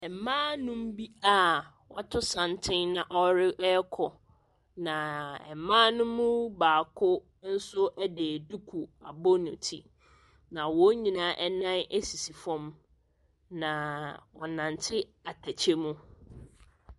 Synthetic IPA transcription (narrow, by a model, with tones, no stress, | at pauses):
ɛ˨mãː˦nʊ̃˦m˦bi˦a˦˨ | wɔ˦tʰʊ˦sã˨ntʰɪ̃˦nnã˨ʔɔ˦ɾɪ˦ʔɛ˦kʰɔ˨ | nã˨ɛ̰˨mãː˦nʊ̃˦mʊ̃˦baː˨kʰʊ˦ | n̩˦sʊ˦ʔɛ˦de˨du˦kʰu˨a̰˨bɔ˦nʊ̃˨tʰḭ˦ | nã˨wɔ˦ɲĩ˨nãː˦ʔɛ˦nã˦nʔe˦si˨si˨fɔ̃˦m | nã˨ɔ˨nã˨ntʰɪ˦a˨tʰæ˨t͡ɕʰe˦mũ˦